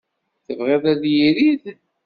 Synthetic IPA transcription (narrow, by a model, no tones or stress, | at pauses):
θəvʁeðæðjiɾið